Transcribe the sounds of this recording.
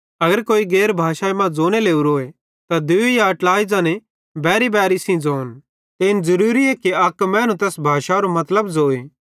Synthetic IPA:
ɐɡəɾkoːiɡeːɾbʱaːʃaemãd͡zoːñeleːuɾoːe | t̪ad̪ʊejaɐʈlaːid͡zãːne | bɛːɾibɛːɾɪsĩd͡zoːn | t̪eɪnzɐɾuːɾiɛːkiɐkmɛ̃ːnũt̪̬ɛːsbʱaːʃaɾomɐt̪ləbd͡zoːeː

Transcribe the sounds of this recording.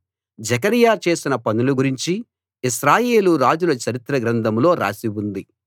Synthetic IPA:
d͡ʒɐk̬ɐɾijaːt͡ʃe̞ːsinɐpɐnuluɡuɾiɲt͡ʃi | iʃɾaːje̞ːluɾaːd͡ʒulɐt͡ʃɐɾit̪ɾɐɡɾɐnd̪ɐmlo̞ːɾa̰ːsiwund̪i

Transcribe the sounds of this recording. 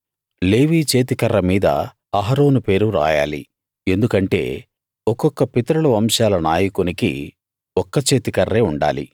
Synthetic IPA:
leːʋiːt͡ʃeːt̪̬ikɐrːɐmiːd̪ɐ̰ | ɐɦɐɾo̞ːnupe̞ːɾuɾa̰ːja̰ːlḭ | e̞nd̪ukɐɳʈe̞̰ː | ɔkɔkːɐpit̪ɐɾɐɭɐʋɐmʃaːlɐnaːjɐkunikḭ | ɔkːɐt͡ʃe̞ːt̪ikɐrːe̞ːuɳɖa̰ːlḭ

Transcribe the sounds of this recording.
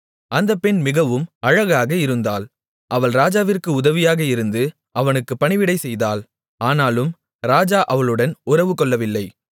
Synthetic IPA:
ɐnd̪ɐpːɛnmɪɣɐʋɯmɐɻɐɣaːɣɐɪɾɯnd̪aːl | ʔɐʋɐɭɾaːd͡ʒaːʋɪrkɯʊðɐʋɪjaːɣɐɪɾɯnd̪ɯ | ʔɐʋɐnɯkːɯpːɐɳɪʋɪɽɐɪsɛjðaːl | aːnaːlɯm | ɾaːd͡ʒaːʔɐʋɐɭɯɽɐnʊrɐʋɯkɔɭːɐʋɪlːɐɪ

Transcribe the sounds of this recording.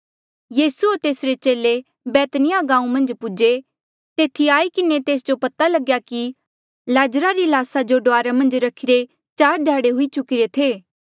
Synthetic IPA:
jiːsuoɾt̪eːsɾet͡ʃeːle | bɛːt̪nɪjaɡãːũmɐ̃nd͡ʒpʊd͡ʒe | t̪eːt̪ʰiaːikɪnet̪eːsd͡ʒopɐt̪alɐɡjaki | laːd͡ʒɾaɾilaːsad͡ʒoɖoaːɾamɐ̃nd͡ʒɾɐkʰiɾe | t͡ʃaːɾd̪ʱjaːɽeɦʊit͡ʃʊkiɾet̪ʰeː

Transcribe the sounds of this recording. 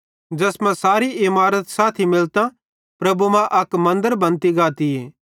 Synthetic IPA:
d͡ʒɐsmɛ̃saːɾiɪmaːɾət̪saːt̪ʰimɪlt̪ã | pɾɐbumɛ̃ʔɐkmɐ̃nd̪əɾbɐ̃nt̪iɡaːt̪ieː

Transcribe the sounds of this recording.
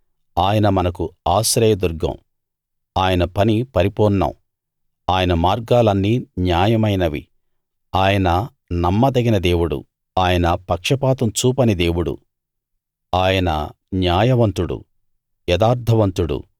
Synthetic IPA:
aːjɐnɐmɐnɐkuaːsɾɐjɐd̪uɾɡɐ̰m | aːjɐnɐpɐnipɐɾipɔːnːɐ̰m | aːjɐnɐmaːɾɡaːlɐnːiːnjaːjɐmɐjnɐʋḭ | aːjɐnɐ | nɐmːɐd̪ɐɡinɐd̪e̞ːwuɽṵ | aːjɐnɐpɐkʂɐpaːt̪ɐmt͡ʃuːpɐnid̪e̞ːwuɽṵ | aːjɐnɐ̰ | njaːjɐʋɐnt̪uɽṵ | jɛd̪aːɾd̪ʱɐʋɐnt̪uɽṵ

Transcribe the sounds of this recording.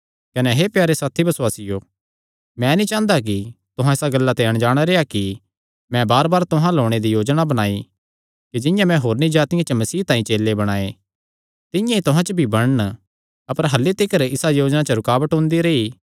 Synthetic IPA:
kɐnɛɦepjaːɾesaːt̪ʰibɐsʊwaːsɪjo | mɛ̃nĩt͡ʃãːnd̪ak̬it̪ʊɦãɪsaɡɐlːat̪eɐɽ̃d͡ʒaːɽ̃aɾeːaki | mɛ̃baːɾbaːɾt̪ʊɦãloːɽ̃ed̪ijoːd͡ʒnabɐɽ̃aːi | kid͡ʒɪ̃jãmɛ̃ɦoːɾnĩd͡ʒaːt̪ɪjãt͡ʃəmɐsiːt̪ãːĩt͡ʃeːlːebɐɽ̃aːe | t̪ɪ̃jãit̪ʊɦãt͡ʃəbʱibɐɽ̃ən | ɐpəɾɦɐlːet̪ɪkəɾɪsajoːd͡ʒnat͡ʃəɾʊkaːbəʈɦʊ̃ːnd̪iɾeːi

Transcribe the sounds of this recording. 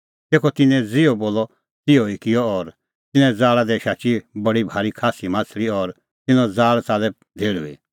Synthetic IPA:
t̪eːkʰɔt̪ɪnɛ̃d͡zɪɔboːlɔ | t̪ɪoikɪjɔɔːɾ | t̪ɪnɛ̃d͡zaːɭad̪ɛʃaːt͡ʃibɐɽibʱaːɾikʰaːsimãːt͡sʰliɔːɾ | t̪ɪnɔ̃d͡zaːɭt͡saːlɛ | d̪ʱeːɽṵḭ

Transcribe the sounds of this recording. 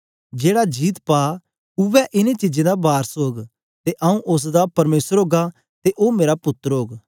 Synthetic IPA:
d͡ʒeːɽad͡ʒiːt̪paː | ʊʋɛʔɪnẽt͡ʃɪd͡ʒẽd̪abaːɾsoːɡ | t̪eʔɐũʔʊs̬d̪apɐɾmeːsəɾɦoːɡa | t̪eʔoːmeːɾapʊt̪ːəɾɦoːɡ

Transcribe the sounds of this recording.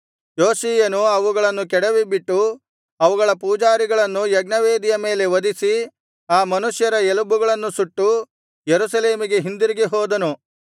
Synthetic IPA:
joːsiːjɐnuɐʋuɡɐɭɐnːukɛɽɐʋibiʈːu | ɐʋuɡɐɭɐpuːd͡ʒaːɾiɡɐɭɐnːujɐɡnɐʋeːd̪ijɐme̞ːle̞ʋɐd̪isi | aːmɐnuʃjɐɾɐelubuɡɐɭɐnːusuʈːu | jeɾusɐle̞ːmiɡe̞ɦind̪iɾiɡiɦɔːd̪ɐnu

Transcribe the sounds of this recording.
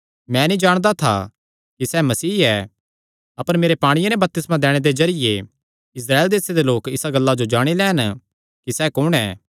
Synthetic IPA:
mɛ̃ːnĩd͡ʒaːɽ̃d̪at̪ʰa̰ | kisɛmɐsiːɛː | ɐpəɾmeːɾepaːɽ̃ɪjenɛbɐp̚t̪ɪsmãd̪ɛːɽ̃ed̪ezɐɾɪje | ɪs̬ɾaːeld̪eːsed̪eloːkɪsaɡɐlːad͡ʒod͡ʒaːɽ̃ilɛːn | kisɛkʊɽ̃ɛ̰ː

